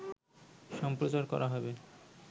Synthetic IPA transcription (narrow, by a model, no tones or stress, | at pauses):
ʃɔmpɾot͡ɕaɾkɔ̰ɾʔaɦɔbe